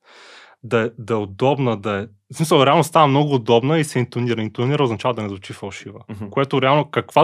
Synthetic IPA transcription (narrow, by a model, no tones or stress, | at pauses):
d̪ɐɛd̪ɐɛʊd̪ɔbnəd̪ɐɛ | smisəlˠɾɛalˠnost̪avəmnɔɡʊːd̪ɔbnəisɛint̪oniɾəint̪oniɾəoznɐt͡ʃavəd̪ɐnɛzvʊt͡ʃifɐlˠʃivəkoɛt̪ʊɾɛalˠnokɐkva